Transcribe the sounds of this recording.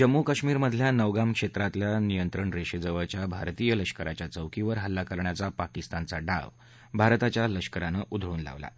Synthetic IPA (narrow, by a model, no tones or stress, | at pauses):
d͡ʑəmːukəɕmiːɾməd̪ʱljanəʋɡamkʂet̪ɾat̪ljanijənt̪ɾəɳɾeɕed͡zəʋəɭt͡ɕjabʱa̰ɾt̪iːjələɕkəɾat͡ɕjat͡səʋkiʋəɾɦəlːakəɾɳjat͡sapakist̪ant͡saɖa̰ʋ | bʱaɾt̪at͡ɕjaləɕkəɾanəʔud̪ʱɭuːnla̰ʋla̰